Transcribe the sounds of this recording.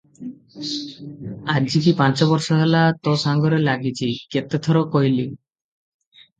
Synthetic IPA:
ad͡ʑikipãnt͡ɕɔbɔɾʃɔɦelat̪osaŋɡɔɾelaɡʱit͡ɕʰiket̪ːet̪ʰɔɾokojli

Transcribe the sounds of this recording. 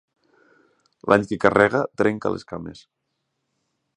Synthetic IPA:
lʔaɲkekarɛɣat̪ɾeŋka̰leskamḛs

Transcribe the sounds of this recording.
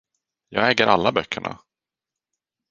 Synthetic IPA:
jɑːɡɛːɡəɾʔalːabœkʰːəɳa̰

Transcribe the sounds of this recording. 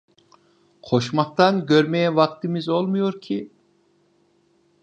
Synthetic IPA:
qʰoʃmɑq̚t̪ɑnɡʲøɾmɛjɛvɑq̚t̪ʰɨmɪzolˠmujoɾkʲʰi

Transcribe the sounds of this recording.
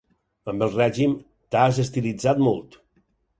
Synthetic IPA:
əmbəlˠrɛʒim | t̪azəst̪ilid͡zat̪mɔlˠt̪

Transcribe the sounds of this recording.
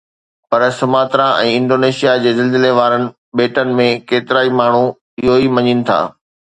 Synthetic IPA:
pɐɾsʊmaːt̪ɾãʔɛ̃ːɪ̃nɖoːneːʃijad͡ʑeːzɪld̪ɪleʋaːɾənɪ̆ | ɓeːʈənɪ̆mẽkeːt̪ɪɾaːimaːɳ̤u | ɪɦoimɐɲinɪ̆t̪ʰa̰ː

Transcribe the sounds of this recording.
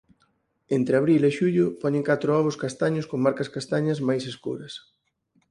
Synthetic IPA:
ent̪ɾɪaβɾileʃuʎʊpɔɲeŋkat̪ɾʊɔβʊskast̪aɲʊskoŋmaɾkɐskast̪aɲɐzmajseskṵɾɐs

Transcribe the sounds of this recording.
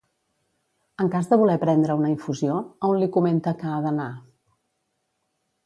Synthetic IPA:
əŋkazðəβulɛpɾɛnd̪ɾəunəiɱfuzioəunlikument̪əkəaðəna

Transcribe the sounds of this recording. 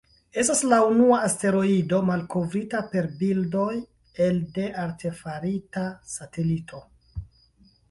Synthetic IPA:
e̞staslaunuaːste̞ɾo̞ido̞malko̞vɾitape̞ɾbildo̞j | e̞lde̞ʔaɾtʰe̞faɾitasatʰe̞litʰo̞

